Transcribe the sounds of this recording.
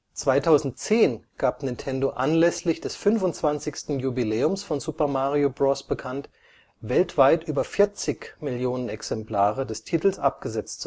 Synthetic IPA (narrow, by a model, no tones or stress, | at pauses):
t͡sv̥aɪtʰaʊzn̩tt͡seːnɡ̥aːpnɪntʰɛndoʔa̰nlɛslɪçd̥ɛsfʏnfʊntt͡sv̥ant͡sɪçstn̩jubileːʊmsfɔnzupɐmaːʁiobʁɔsb̥əkʰant | vɛltv̥aɪtʔyːbɐfɪɐt͡sɪçmɪljoːnənɛksɛmplaːʁədɛstʰiːtl̩sʔap̚ɡ̥əzɛt͡st